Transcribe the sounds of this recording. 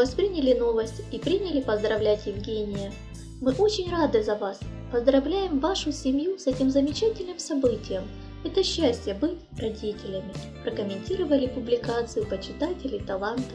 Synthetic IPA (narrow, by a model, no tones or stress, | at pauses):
vaspɾʲinʲɪlʲɪno̞vəsʲtʲipɾʲinʲɪlʲɪpəzd̪ɾɐvlʲætʲjɪvɡʲenʲɪjə | mɨʔo̞t͡ɕɪnʲrad̪ɨzɐvaspəzd̪ɾɐvlʲæjɪmvaʂʊsʲɪmʲjusɛtʲɪmzəmʲɪt͡ɕætʲɪlʲnɨmsɐbɨtʲɪjəm | ɛt̪əɕːæsʲtʲɪjəbɨtʲrɐdʲitʲɪlʲəmʲɪ | pɾəkəmʲɪnʲtʲiɾəvəlʲɪpʊblʲɪkat̪sɨjʊpət͡ɕɪt̪atʲɪlʲɪt̪ɐlˠant̪ə